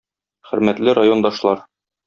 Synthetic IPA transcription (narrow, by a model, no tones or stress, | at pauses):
χɘ̆ɾmæt̪lɘɾajo̞nd̪ɑʃlˠɑɾ